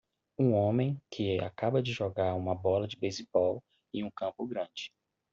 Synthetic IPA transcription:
ũõmẽj̃kʰɪa̰kabɐd͡ʒɪʒɔɡaɾũmɐbɔlɐd͡ʒɪbejzibɔw | iũkɐ̃mpʊɡɾɐ̃d͡ʒɪ

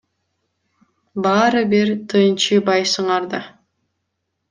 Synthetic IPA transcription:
bɑːɾɯbiɾt̪ʰɯːnt͡ʃɯbɑjsɯɴɑɾd̪ɑ

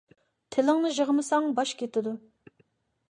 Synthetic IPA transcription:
t̪ʰɪlɪŋnɨʒəʁəmɨsɑŋbɑʃkʲʰet̪ɪd̪u

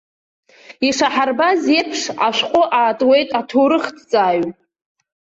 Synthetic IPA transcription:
iʂaħarbazepʰʂaʃʷqʷʼʊʔaːtʼwe̞jtʼatʰoːɾɨχtʰt͡sʼaːɥ

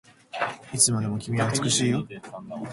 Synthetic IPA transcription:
it͡sɨmad̪e̞mo̞kʲimʲiaːt͡sɨ̥kɯ̟ɕiːjo

